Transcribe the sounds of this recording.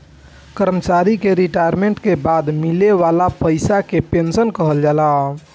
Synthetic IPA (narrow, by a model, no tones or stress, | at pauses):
kəɾmət͡ʃaɾikeɾiʈajəɾmeɳʈkebad̪mileʋalapəɪsakepensənkəɦəld͡ʒala